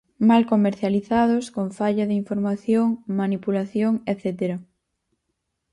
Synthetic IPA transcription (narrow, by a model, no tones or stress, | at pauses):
malkomeɾθjaliθað̞oskoɱfaʎɐðɪiɱfoɾmaθjoŋmanipulaθjoŋeθet̪eɾɐ